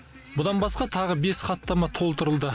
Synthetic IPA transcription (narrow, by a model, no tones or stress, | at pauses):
bʊd̪ɑnbɑsqɑt̪ʰɑʁəbe̞sχɑt̪ːɑmɑt̪ʰo̞lˠt̪əɾəlˠd̪ə